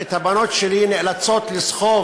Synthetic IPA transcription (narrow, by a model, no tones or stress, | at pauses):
et̪abanot̪ʃelinelat͡sot̪lisχo